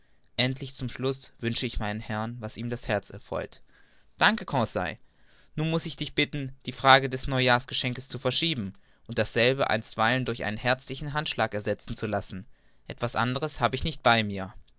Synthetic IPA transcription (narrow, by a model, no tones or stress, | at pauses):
ʔɛntʰlɪçt͡sʊmʃlʊsv̥ʏnʃəɪçmaɪnənhɛɐnvasiːmdashɛɐt͡sɛ̰ɐfʁ̥ɔ̰ʏt | d̥aŋkəkʰɔ̃ːsa̰ɪ | nuːnmʊsɪçd̥ɪçb̥ɪtn̩d̥iːfʁ̥aːɡədɛsnɔʏjaːsɡ̥əʃɛŋkəst͡sufɛɐʃiːbm̩ | ʔʊnt̚d̥asz̥ɛlbəʔa̰ɪnstv̥aɪləndʊɐçʔa̰ɪnənɦɛɐt͡slɪçn̩ɦantʃlaːkɛɐzɛt͡sn̩t͡sulasn̩ | ʔɛtv̥asʔa̰ndəʁ̞əshaːbəɪçnɪçt̚b̥aɪmiːɐ